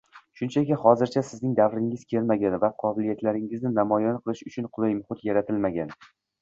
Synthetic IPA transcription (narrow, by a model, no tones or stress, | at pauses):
ʃʊnt͡ʃʰakʲɪχɒzɪɾt͡ʃʰasɪznɪŋd̪avɾɪŋɪz̥kʲʰeɾmaɡʲanvaqʰɒbɪlijat̪laɾɪŋɪznɪnamɒjɒnqʰɨlˠɪʃʊt͡ʃʰʊnqʰʊlˠɪjmʊχʊt̪jaɾat̪ʰɪlmaɡʲan